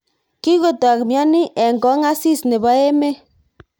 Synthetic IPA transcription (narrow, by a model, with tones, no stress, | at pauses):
ki˦ko˨ta˨kmja˦ni˦ʔɛ˨ŋɡɔ˨˦ŋa˦si˦˨sne˨ba˦e˦me˦